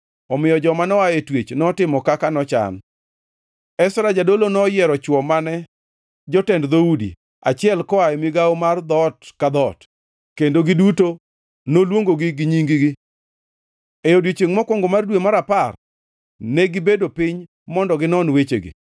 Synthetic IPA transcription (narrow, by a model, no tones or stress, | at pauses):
ɔmɪjɔd͡ʒɔmanɔajetwet͡ʃnɔtɪmɔkakanɔt͡ʃa̰n | ɛsɾad͡ʒadolonɔjɛɾɔt͡ʃwɔmanɛ | d͡ʒɔtɛndd̪oudḭ | a̰t͡ʃɪɛlkɔajɛmiɡaomard̪ɔtkad̪ɔt | kendoɡɪduto | nolwoŋɡoɡɪɡɪɲiŋɡɪɡɪ | ejodjot͡ʃeŋmɔkwɔŋɡomardwemaɾapar | nɛɡɪbedopɪɲ | mɔndɔɡɪnɔnwet͡ʃḛɡḭ